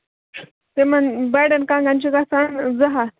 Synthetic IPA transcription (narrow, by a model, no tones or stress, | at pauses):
t̪emənbajɽənkãŋɡãnt͡ɕiɡasand͡zəɦa